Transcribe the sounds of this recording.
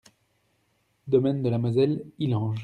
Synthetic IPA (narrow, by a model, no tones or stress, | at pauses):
d̪ɔmɛnd̪əlamazɛlilɑ̃ʒ